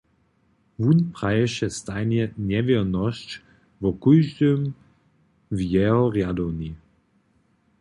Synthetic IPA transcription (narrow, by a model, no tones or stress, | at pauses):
vunpʁajɛʃɛst̪ajnjɛnɛvɛʁnɔʃt͡ɕ | vɔkujʒdøm | vjɛɦɔʁjad̪ɔwni